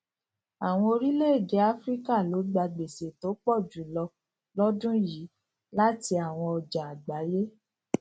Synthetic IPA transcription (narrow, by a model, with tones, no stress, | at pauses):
a˨w̃ɔ̃˧o˧ɾi˦le˦e˦˨ɡe˨˦a˦fɾi˦ka˦˨lo˨˦ɡ͡ba˧ɡ͡be˨se˨to˨˦k͡pɔ˦˨d͡ʒu˨˦lɔ˧ | lɔ˦dũ˦ji˨˦ | la˦ti˧a˨w̃ɔ̃˧ɔ˧d͡ʒa˨a˨ɡ͡ba˨˦je˦